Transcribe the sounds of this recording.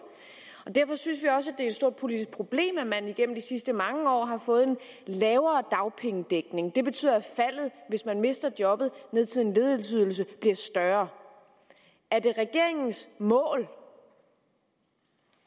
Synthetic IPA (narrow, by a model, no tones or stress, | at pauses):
ɒ̽d̥æɐfɒ̽synsʋiɒ̽səæd̥e̝æed̥sd̥o̝ɐ̰d̥̚pʰo̝lid̥isɡ̥̚pʰʁo̝b̥le̝̰ːmæmæniɡ̥em̰m̩d̥isisd̥əmɑ̈ŋəɒ̰ːɦɑ̈fɔ̽ːð̞̩ˠen | lɛːʊɐːd̥ɑ̈ʊpʰeŋəd̥eɡ̥ne̝ŋd̥e̝b̥e̝t͡sʰy̰ːðˠɐæfæl̰ð̞̩ˠʋe̝smænme̝sd̥ɐd̥jɒ̽b̥ð̞̩ˠne̝ð̞ˠt͡sʰe̝ðˠe̝nle̝ðˠelt͡sʰyð̰ˠl̩s̬əb̥liɐsd̥ɶɐ | æɐd̥e̝ʁɛɡ̥e̝ɐ̰e̝ŋn̩smɔ̰̽ːl